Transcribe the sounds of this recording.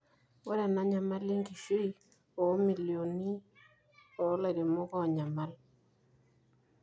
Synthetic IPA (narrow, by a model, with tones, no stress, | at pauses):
ɔ˦ɾa˨na˦ɲa˨ma˦li˦ŋɡi˨ʃi˦i˦ | ɔ˨˦mi˨ljo˨ni˦ | ɔ˨˦la˨ɾe˨mo˦kɔ˦˨ɲa˨ma˦l